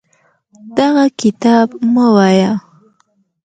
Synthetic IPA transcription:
d̪̥ɑɣakɪt̪ɑbmawaja

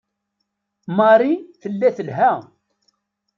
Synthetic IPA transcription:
mɑɾiθəlːæθəlɦæ

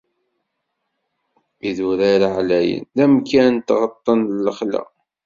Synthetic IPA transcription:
iðuɾaɾaʕlæjə̰nðæmkænt̪ʁət̪ˤːənləχlæ̰

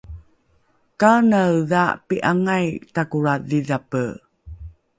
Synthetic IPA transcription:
kanawða̰piʔaŋajtakuɾaðiðapə

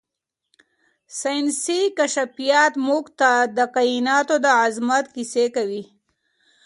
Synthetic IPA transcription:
sansikaʃafijɑt̪muɡt̪ad̪əqajinɑːt̪od̪əazmat̪kisekawi

